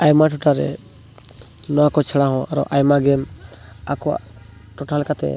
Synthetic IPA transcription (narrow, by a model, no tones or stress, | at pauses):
ajmaʈʰɔʈʰaɾɛ̰ | nɔwakɔt͡ʃʰəɽaɦɔ̃aɾɔ̰ʔajmaɡɛm | a̰kɔ | ʈɔʈʰalɛkat̪ɛ̰